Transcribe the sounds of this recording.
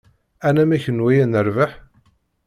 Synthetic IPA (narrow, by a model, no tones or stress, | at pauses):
ænæmæçənwæjænəɾvəħ